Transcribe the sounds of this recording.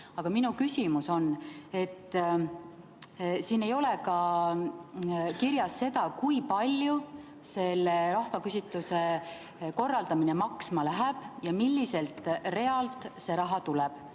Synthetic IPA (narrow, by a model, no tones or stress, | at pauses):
ɑɡ̥ɑminukysʲimuso̞ne̞t̪ːˑ | siːne̞jo̞lekɑ | kiɾjɑsːe̞d̪̥ɑkujpɑlʲju | se̞lːe̞ɾɑhvɑkysʲit̪ːˑuse̞ | ko̞rːɑld̪ɑmine̞mɑksmɑlæɦɛb̥jɑmilʲːise̞lt̪ˑre̞ɑlt̪ˑse̞ɾɑɦɑt̪ulɛb̥